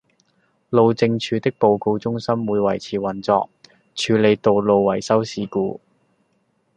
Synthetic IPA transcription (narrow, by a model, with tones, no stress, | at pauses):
lo˨˧wt͡sɪ˧ŋt͡ʃʰyː˨˧t̪ɪ˥k̚po˨wko˧wt͡sʊ˥ŋsɐ˥mwuː˨˧jwɐ˨˩jt͡sʰiː˨˩wɐ˨nt͡sɔ̰ː˧k̚ | t͡ʃʰyː˨˧le˨˧jt̪o˨wlo˨˧wwɐ˨˩jsɐ˥wsiː˨˧kuː˧